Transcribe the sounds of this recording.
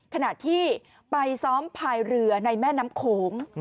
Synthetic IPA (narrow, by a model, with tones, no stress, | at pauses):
kʰa˧na˨˩t̪ʰiː˥˩ | pa˧jsɔː˦˥mpʰaː˧jɾɯ˧ɐna˧jmɛː˥˩naː˦˥mkʰoː˨˦ŋ